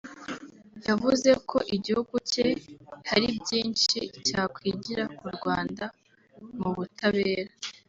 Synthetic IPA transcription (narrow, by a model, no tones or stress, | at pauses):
javuze̞kʰo̞̰ʔiɟihuɡucehaɾibɟiːnʃicaːkwiːɟiɾakuɾɡwaːnda | muβutaβe̞ːɾa